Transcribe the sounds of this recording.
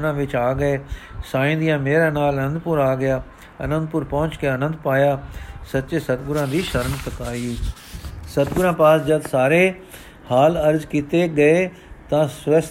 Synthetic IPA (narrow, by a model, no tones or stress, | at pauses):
ɾãːʋɪt͡ʃaːɡəeːsaːĩnd̪ijãːmeːɾaːnaːlənə̃nd̪pʊɾaːɡɪjaː | ɐ̰nə̃nd̪̚pʊɾpɔ̃ɦʊ̃t͡ʃkeɐnə̃nd̪paːjaːsɐt̪ːt͡ʃesɐt̪ɡʊɾãːd̪iːʃəɾənsək̪aːiiː | sɐt̪ɡʊɾãːpaːsd͡ʒɐd̪saːɾe | haːləɾzkiːt̪eɡɐe | t̪ãsʋəs